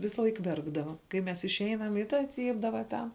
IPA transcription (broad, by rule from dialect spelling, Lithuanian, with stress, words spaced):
ˈʋʲɪsɐlˠɐɪk ˈʋʲɛrɡdɐʋɐ kɐɪ ˈmʲɛs ɪʃʲˈɛɪnɐm ɪ ˈtɐ ˈt͡sʲiːbdɐʋɐ tʲɛn